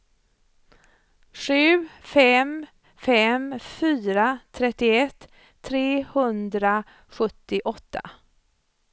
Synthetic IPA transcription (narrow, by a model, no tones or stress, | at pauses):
ɧʉ̟ːfɛm | fɛmfyːɾat̪ʰɾɛt̪ːɪɛt̪ʰː | ɾeːhɵnd̪ɾa | ɧɵt̪ːɪʔɔt̪ʰːa̰